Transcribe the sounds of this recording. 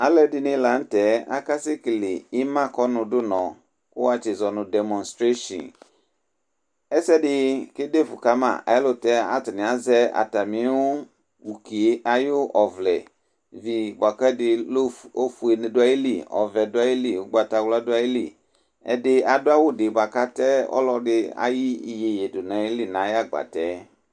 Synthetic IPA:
a˨lɛ˦dɪ˨nɪ̃˦la˨˦n̩˦tɛ˨˦a̰˦ka˦sɪ˦kɪ˨lɪ˨i˦mã˦kɔ˦nʊ̃˨dʊ˦nɔ̃˨ | kʊ˦a˦t͡ʃɪ˨zɔ˨nʊ̃˨dɛ˨mɔ̃˨nstɾe˦ʃɔ̰̃˨n | ɛ˦sɛ˦dɪ˦kɪ˦de˦fʊ˨ka˦mã̰˨a̰˨ɪ˦lʊ˦tɛ˦a̰˨tɪ˨nɪ̃˨a˨zɛ˦a̰˨ta˨mĩ˨˦wʊ˦ | wu˨ki˨e˦ʔa˨jʊ˦ʔɔ˨vlɛ̰˨ | vi˨ba˨kɛ˦dɪ˨lo˦fu˨e˨n˨dʊ˦a˦ji˦lḭ˨ɔ̰˨vɛ˨dʊ˦a˦ji˦li˨wʊ˦ɡ͡ba˨ta˨wla˦dʊ˦a˦ji˦lḭ˦˨ | ɛ̰˨dɪ˦a˨dʊ˦a˦wʊ˦dɪ˨ba˨ka˦tɛ˦ɔ̰˦lɔ˦dɪ˦a̰˦ji˦i˨je˨je˨dʊ˨nã˨˦i˦li˦nã˨˦ja˦ɡ͡ba̰˨tɛ˦

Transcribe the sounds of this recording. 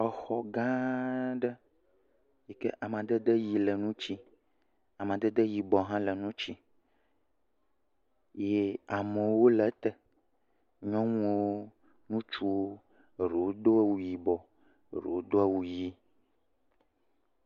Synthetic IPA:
ɔ˨xɔ˦ɡã˦ɖə˦ | je˨ke˦ʔa˨mã˨d̪ə˦d̪ə˦ji˨lə˨nũ˦t͡ɕi˦ | a˨mã˨d̪ə˦d̪ə˦ji˨bɔ˨ɦã˦lə˨nũ˦t͡ɕi˦ | je˦a˨mə̃˨wo˦lə˨t̪ə˨ | ɲɔ̃˦ŋũ˦o˦ | nũ˦t͡ʃu˦o˦˨ | ɾe˨wo˦d̪o˦a˦wu˨ji˨bɔ˨ | ɾḛ˨o˦d̪o˦a˦wu˨ji˦

